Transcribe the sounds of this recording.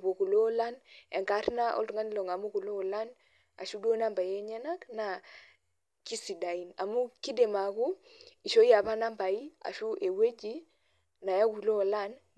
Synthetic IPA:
bo˨ku˨lo˦la˦ne˨ŋka˨˦tna˦ʔɔ̰˦ltu˨ŋa˦ni˦lo˨ŋa˨mu˦ku˨lo˦˨la˦n | a̰˨ʃu˦do˦na˦mba˨je˦ɲɛ˦na˦kna˨ | ki˦si˨da˨i˨na˨mu˦ki˦de˨ma˨ku˦i˨ʃo˦i˦a˨pa˦na˦mba˨i˦a̰˨ʃu˦ʔe˨we˦d͡ʒi˦ | na˨ja˦ku˨lo˦˨la˦n

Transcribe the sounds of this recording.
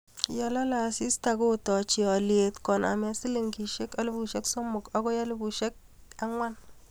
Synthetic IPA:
jɔ˨lɔ˦la˨si˦sta˨ko˦tɔ˨t͡ʃi˨ɔ˨lje˨tkɔ˨na̰˨mɛ˦sɪ˦lɪ˦˨ŋki˨ʃe˦ka˦lɪ˦bu˨ʃe˦kso˦mʊ˨kɔ˦kɔ˦ja˦lɪ˦bu˨ʃe˦k̚ | a˦ŋwa˦n

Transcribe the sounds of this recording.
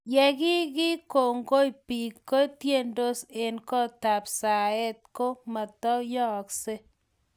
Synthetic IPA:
jɛ˨ki˦ki˦ko˨ŋɡo˦jpi˨kːo˦tje˦ndo˦se˨nkɔ˦ta˨psa˨e˦t̚ko˦ma˨tɔ˦jɔ˦˨kse˦

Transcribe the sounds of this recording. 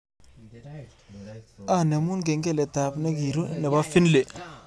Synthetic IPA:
a˦˨ne˨mu˦nɡ̬e˨ŋɡe˦˨lɛ˨ta˨pnɛ˦ki˨ɾu˦nɛ˨ba˦fi˦nle˨

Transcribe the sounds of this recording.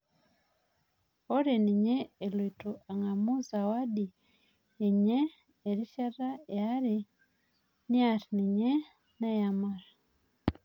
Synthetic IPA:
o˦ɾe˨ni˨ɲeː˦˨lwi˨tu˨a˨ŋa˨mu˦za˨wa˦di˨ | e˨ɲeː˦˨ | ɾi˦ʃa˦ra˦ea˦ɾe | ni˦a˨ɾini˨ɲe˦ | na˦ja˨ma˦ɾa

